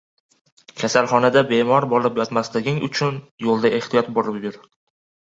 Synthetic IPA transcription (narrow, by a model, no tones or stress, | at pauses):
kʲʰasalˠχɒnad̪abe̞mɒɾbɒlˠɪpjɒt̪maslɪɡʲɪŋʊ̰t͡ʃʰʊnjolˠd̪aʔe̞ht̪ijɒt̪̚bɒɾɪpbɪɾ